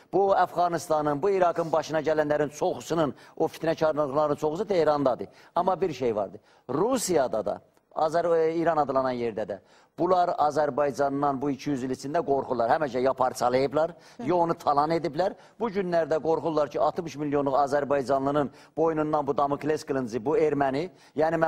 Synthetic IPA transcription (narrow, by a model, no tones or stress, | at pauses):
b̥uæfɣɑnist̪ɑnɯnbuiɾɑɡɯnbɑʃɯnɑɟælænlæɾint͡ʃʰo̞χusɯnɯno̞fi̥t̪næt͡ʃʰɑɾnˠɯχlˠɑɾɯnt͡ʃʰo̞χusɯt̪ʰiɾɑnd̪ɑd̪ɯ | ɑmːɑbiɾʃe̞jvɑ̰ɾd̪ɯ | ɾusijɑd̪ɑ̰d̪ɑ̰ | ɑ̰zæɾiɾɑnɑd̪ɯlˠɑnɑnje̞ɾd̪æd̪æ | b̥ulˠɑɾɑzæɾbɑjd͡ʒɑnːɑnbuicʰijyzilisʰind̪æɡo̞ɾχulˠɑɾhæmæʃæjɑpʰɑɾt͡sʰɑlˠɯjɯblˠɑɾ | jɑonut̪ʰɑlˠɑne̞d̪iblæɾ | b̥uɟynlæɾd̪æɡo̞ɾχulˠɑɾcʰiɑlˠt̪ɯmɯʃmilːijonlˠuɣɑzæɾbɑjd͡ʒɑnlˠɯɣnɯn | b̥o̞junund̪ɑnbud̪ɑmɯklesklˠɯnzibueɾmæni | jæːnim